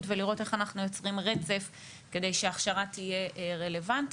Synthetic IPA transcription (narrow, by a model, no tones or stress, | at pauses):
tveliʁo̞teχanaχnujo̞t͡sʁimʁe̞t͡se̞f | ke̞de̞jʃeaχʃaʁatije̞ʔʁe̞le̞vant